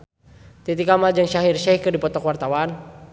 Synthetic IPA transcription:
t̪it̪ikamald͡ʒəŋʃaɦirʃɛihkɨrdipɔt̪ɔkwart̪awan

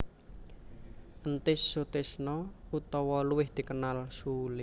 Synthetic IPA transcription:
ʔənt̪ɪsːut̪ɪsnɔut̪ɔwɔluwɪhd̪̥i̤kənalsulɪ

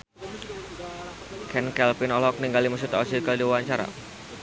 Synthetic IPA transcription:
kʰɛnkɛlpinɔlɔk̚niŋɡalimus̬ut̪ɔ̰sikaldiwuwaɲt͡ʃaɾa̰

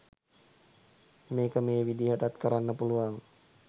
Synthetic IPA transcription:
meːkəmeːʋidiɦəʈat̪kəɾanːəpuluaŋ

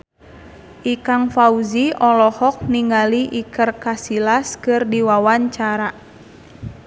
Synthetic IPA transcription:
ʔikaŋfauziɔlɔhɔk̚niŋaliʔikərkasilaskɨrdiwawaɲt͡ʃaɾa

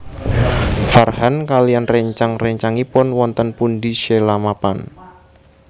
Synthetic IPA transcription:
farhankalijanrɛɲt͡ʃaŋrɛɲt͡ʃaŋipʊnwɔnt̪ənpundiʃɛlamapa̰n

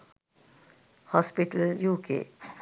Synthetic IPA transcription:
hɔːspɪʈəljuːkḛ

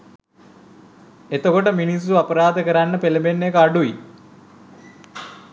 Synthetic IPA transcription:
et̪əkoʈəminis̬ːuapəɾaːd̪əkəɾanːəpeləbenːekəaɖui

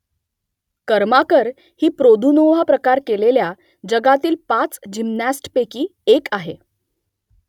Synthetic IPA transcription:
kəɾmakəɾ | hiːpɾod̪ʱunoʋapɾəkaɾkelelja | d͡ʑəɡat̪iːlpat͡sd͡ʑimnæsʈpekiːekaɦe

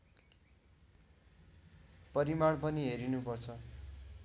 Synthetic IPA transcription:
pʌɾimaɽpʌniɦeɾinupʌrt͡sʰʌ

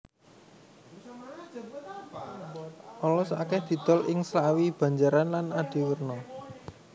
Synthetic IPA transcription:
ʔɔlɔsa̰kɛhd̪̥i̤d̪̥ɔ̤lʔɪŋslawib̥ä̤ɲd͡ʒaɾanlanaɖ̪̥i̤wərnɔ

